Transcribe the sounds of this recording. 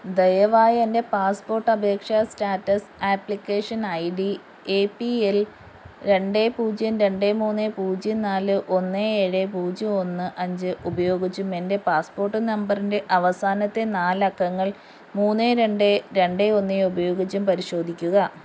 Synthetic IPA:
d̪ejɐʋaːjɐende̞paːspo̞ːrʈːɐbʱe̞ːkʂɐstaːtːɐsaːplikʲːeːʂɐnɐjɖi | eːpiel | ɾe̞ɳɖe̞puːd͡ʑjɐnɾe̞ɳɖemuːnːepuːd͡ʑɐnaːlɨʔo̞nːeːɻepuːd͡ʑio̞nːɨʔɐɲd͡ʑɨʔubɐjo̞ːɡit͡ɕːume̞nde̞paːspo̞ːrʈːɨnɐmbɐrinde̞ʔɐʋɐsaːnɐt̪ːe̞naːlɐkːɐŋːɐɭ | muːnːeɾe̞ɳɖeɾe̞ɳɖe̞o̞nːeubɐjo̞ːɡit͡ɕːɐmpɐɾiɕo̞ːd̪ʱikʲːuɣɐ

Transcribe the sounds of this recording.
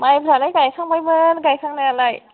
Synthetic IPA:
majbʱɾalajɡajkʰaŋmajbɯnɡajkʰaŋnajalaj

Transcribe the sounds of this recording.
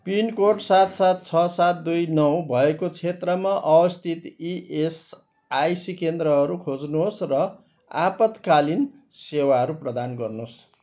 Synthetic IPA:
pinkoʈsat̪sat̪̚t͡sʰʌsat̪̚d̪ujnʌwbʱʌekot͡sʰet̪rʌmaʔʌwʌst̪ʰit̪iʔes | ajsikend̪rʌɦʌɾukʰod͡znuɦosrʌ | apʌt̪kalin | sewaɦʌɾuprʌd̪anɡʌrnos

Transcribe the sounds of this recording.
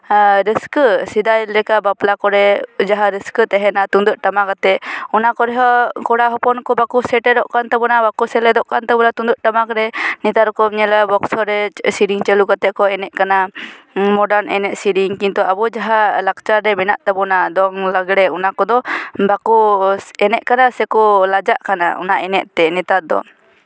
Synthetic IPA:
ɾiskəsid̪ajlɛkabaplakɔɾɛd͡ʒaɦaɾiskət̪ɛɦɛnat̪und̪uʔ̚ʈamakat̪ɛɔnakɔɾɛɦɔkɔɽaɦɔpɔnkɔbakusɛʈɛd̪ɔʔkant̪abɔnabakusɛlɛd̪ɔʔkant̪abɔlat̪und̪uʔ̚ʈamakɾɛnit̪aɾɔkɔmɲɛlabɔksɔɾɛsiɾiŋt͡ʃɛlukat̪ɛʔkɔɛnɛʔ̚kana | mɔɖaɾnɛ̰nɛʔsiɖiŋkint̪uabɔd͡ʒaɦalak̚t͡ʃaɾɛmɛnaʔt̪abɔnad̪ɔŋlaɡɽɛunakɔd̪ɔbakuɛnɛʔkanasɛkɔlad͡ʒaʔkana̰ɔ̰naʔɛnɛʔt̪ɛnɛt̪ad̪ɔ̰

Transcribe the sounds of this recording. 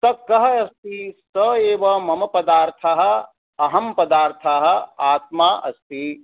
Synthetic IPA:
t̪ɐkɐɦɐɐst̪isəeːʋɐmɐmɐpɐd̪aːɾt̪ʰɐɦɐ̆ | ɐɦɐmpɐd̪aːɾt̪ʰaɦɐ̆aːt̪maːʔɐ̰st̪i

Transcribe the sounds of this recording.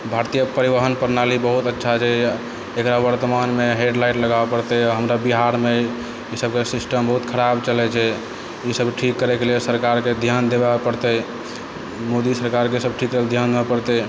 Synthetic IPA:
bʱaɾt̪ijəpəɾiʋəɦənpəɾnalibəɦut̪ətːʃʰad͡ʒʰɛ | ekɾaʋəɾt̪əmanmeɦeɖlaɪʈləɡabepəɾt̪ɛɦəmɾabiɦaɾme | isəb̚kesisʈəmbəɦut̪kʰəɾabt͡ʃəlɛt͡ʃʰɛ | isəbʈʰikːəɾɛkelesəɾkaɾked̪ʱjand̪ebapəɽt̪ɛ | mod̪isəɾkaɾkesəb̚ʈʰikːleld̪ʱjand̪ebepəɾt̪ɛ

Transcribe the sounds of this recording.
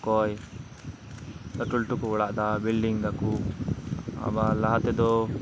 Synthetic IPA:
koːj | t̪ɐʈulʈukuuɭaʔd̪abilɖiŋd̪ɐku | a̰balɐɦɐt̪ed̪o

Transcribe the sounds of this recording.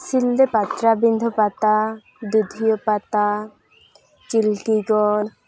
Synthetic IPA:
sild̪epat̪ɾabind̪ʱɔpat̪a | d̪ud̪ʱijɔpat̪a | t͡ʃilkiɡɔn

